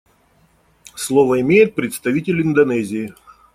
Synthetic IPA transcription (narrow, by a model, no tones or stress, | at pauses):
slˠovəɪmʲejɪt̪̚pɾʲɪt̪st̪ɐvʲitʲɪlʲɪnd̪ɐnɛzʲɪː